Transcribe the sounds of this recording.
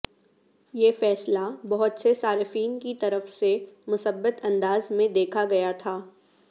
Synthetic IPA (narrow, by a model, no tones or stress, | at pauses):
jeːfɛːslabɐɦʊt̪sesaːɾɪfiːnkit̪ɐɾəfsemʊsəbːət̪ɐ̃nd̪aːzmẽd̪eːkʰaɡɐjat̪ʰaː